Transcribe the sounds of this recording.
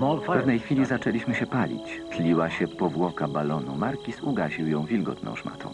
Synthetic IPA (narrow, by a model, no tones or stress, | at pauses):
mɔlɛvnɛjxfʲilʲizat͡ʂɛlʲiɕmɘɕɛpalʲḭt͡ɕt̪lʲiwaɕɛpɔvwɔkabalɔnumaɾkʲisuɡaʑiwjɔ̃w̃vʲilɡɔ̰t̪nɔ̰̃w̃ʂma̰t̪ɔ̰̃w̃